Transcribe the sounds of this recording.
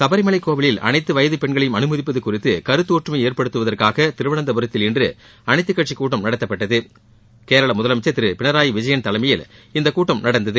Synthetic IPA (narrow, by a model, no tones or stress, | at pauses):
sɐbɐɾɪmɐɭɐɪkːoːʋɐɭɪlɐ̰nɐɪt̪ːɯʋɐjɐðɯpɛɳɡɐɭɐjɯmɐnɯmɐðɪpːɐðɯkːʊrɪt̪ːɯkɐɾɯt̪ːoːʈrɯmɐeːɾpɐɽɯt̪ːɯʋɐðɐrkaːɣɐt̪ɪɾɯʋɐɳɐnd̪ɐbɐɾɐt̪ːɪlɪndrɯ | ɐnɐɪt̪ːɯkːɐʈʂikːuːʈːɐmnɐɽɐt̪ːɐpːɐʈːɐðɯ | keːɾɐɭɐmʊðɐlɐmɪt͡ʃːɐt̪ːɪɾɯpɪɳɐɾaːjiʋɪd͡ʒɐjɐnt̪ɐlɐɪmɐjɪlɪnd̪ɐkuːʈːɐmnɐɽɐnd̪ɐðɯ